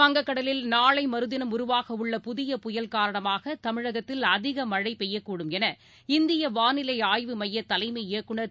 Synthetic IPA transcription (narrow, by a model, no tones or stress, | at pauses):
ɐŋɡɐkːɐɽɐlɪlnaːɭɐɪmɐɾɯðɪnɐmʊɾʊʋaːɣɐʊɭːɐpʊðɪjɐpʊjɐlkaːɾɐɳɐmaːɣɐt̪ɐmɪɻɐɣɐt̪ːɪlɐðɪɣɐmɐɻɐɪpɛjːɐkːuːɽɯmɛnɐ | ɪnd̪ɪjɐʋaːnɪlɐɪaːjʋɯmɐjːɐt̪ːɐlɐɪmɐɪɐkːɯɳɐ